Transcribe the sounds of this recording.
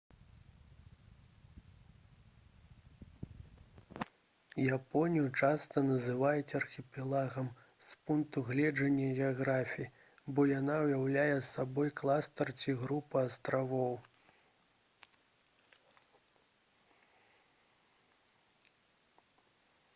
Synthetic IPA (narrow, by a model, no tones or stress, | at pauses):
japɔnʲijut͡ʂast̪ɐnɐzɨvajɛt͡sʲɛɐrxʲipʲɛlˠaɣɐm | spunk̚t̪uɣlʲɛd͡ʐɐnʲːɐɣʲɛaɣɾafʲiji | bɔjanawjawlʲajɛsːabɔjklˠast̪ɐrt͡sʲiɣɾupɐast̪ɾavɔw